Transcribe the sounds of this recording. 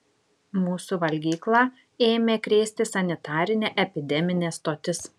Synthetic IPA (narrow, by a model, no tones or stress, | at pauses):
muːsuʋɐlʲɡʲiːklˠɑː | eːmʲeːkɾʲeːsʲt̪ʲɪsɐnʲɪt̪ɑːɾʲɪnʲeːʔɛpʲɪd̪ʲɛmʲɪnʲeːst̪oːt̪ʲɪs